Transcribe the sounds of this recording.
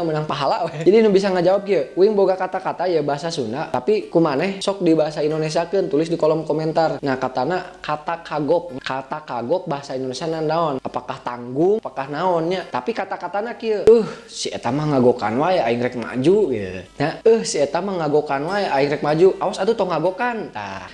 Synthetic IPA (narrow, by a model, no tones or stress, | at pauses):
mənaŋpaɦalawɛd͡ʒadinubis̬aŋad͡ʒawap̚kiəuiŋboɡakat̪akat̪ajəbaɦasasunat̪apikumanɛhsɔk̚dibaɦasaindones̬iakənt̪ulɪs̬dikɔlɔmkɔmɛnt̪arnahkat̪anakat̪akʰaɡɔk̚kat̪akaɡɔk̚baɦasaindonesianannaɔnapakaht̪aŋɡuŋapakahnaɔnɲat̪apikat̪akat̪anakiəəh | siɛ̰t̪amahŋaɡoka̰nwaɛaiŋɾɛk̚ma̰d͡ʒujə̰ɲaəhsiɛt̪amahŋaɡokanwaɛʔaiŋɾɛk̚mad͡ʒuʔawasat̪ut̪ɔŋaɡokant̪a̰